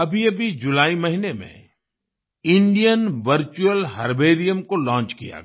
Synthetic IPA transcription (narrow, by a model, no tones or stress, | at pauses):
ɐbʱiɐbʱid͡ʒʊlaːimɐɦinemḛ̃ | ɪ̃ɳɖijənʋɐɾt͡ʃuəlɦɐɾbeːɾijəmkolɔ̃ːnt͡ʃkija̰ɡ